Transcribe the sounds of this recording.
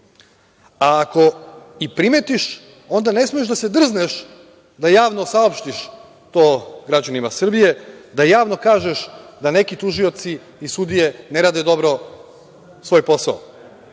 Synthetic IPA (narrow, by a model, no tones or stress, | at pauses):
aːko̞ipɾime̞t̪iʃ | o̞nd̪ane̞smoeʃd̪ase̞d̪r̩zneʃ | d̪ajaːʋnosaopʃt̪iʃ | t̪o̞ːɡɾad͡ʑanimasr̩bije̞d̪ajaːʋno̞kaːʒeʃd̪ane̞kit̪uʒio̞t̪siː | sud̪ije̞neɾaːd̪ed̪o̞bɾo̞ | sʋo̞jpo̞sa̰o̰